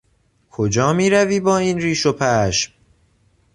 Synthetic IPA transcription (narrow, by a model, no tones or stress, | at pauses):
kʰod͡ʒɒːmiːɾæviːbɒːiːnriːʃopʰæʃm